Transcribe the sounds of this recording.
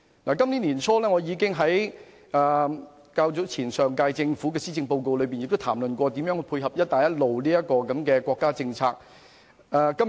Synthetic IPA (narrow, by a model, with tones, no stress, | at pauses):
naː˨˩kɐ˥mnli˨˥niː˨˩nt͡sʰɔː˥lɛː˥ŋɔ˨˧jiː˨˧kɪ˥ŋɦɐ˨˥j | ʔaː˨ | kaː˧wt͡sʊ˨˥t͡sʰiː˨˩nsœː˨˩ŋkaː˧jt͡sɪ˧ŋfuː˨˥kɛː˧siː˥t͡sɪ˧ŋpo˧wko˧wlɵ˨˧ɥp̬i˨nɪ˨k̚t̪t̪ʰaː˨˩mlɵ˨nkʷɔː˧t̪iː˨˥mjœː˨˥ŋhjpʰuː˧jɦɐ˨p̚jɐ˥t̚t̪aː˨jɐ˥t̚lo˨wliː˥jɐ˥kɔː˧kɐ˨˦mkɛː˧kʷɔː˧kːaː˥t͡sɪ˧ŋt͡sʰaː˧k̚ː | kɐ˥